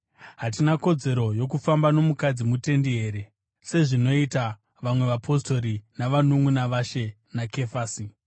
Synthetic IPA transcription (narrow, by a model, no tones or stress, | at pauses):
ɦat̬inako̞d͡ze̞ɾo̞jo̞k̬ufambano̞mukad͡zimute̞ndiɦe̞ːɾe̞ | se̞ʐino̞ita | ʋamwe̞ʋapʰo̞sto̞ɾinaʋanuŋwunaʋaʃe̞ | nake̞faːsi